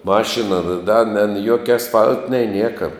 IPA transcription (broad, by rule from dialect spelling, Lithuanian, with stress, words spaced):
ˈmɑːʃʲɪnɐ dɐ nʲɛ n ˈjuɔkʲɛ ɐsˈfɐlʲtʲ nʲɛɪ ˈnʲiɛkɐ